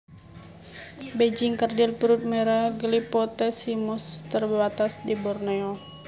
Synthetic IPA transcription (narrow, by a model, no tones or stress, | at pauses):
bed͡ʒɪŋkərdɪlpɾut̪̚mɛɾaɡlipɔt̪ɛsimust̪ərbbat̪asdibɔrnɛɔ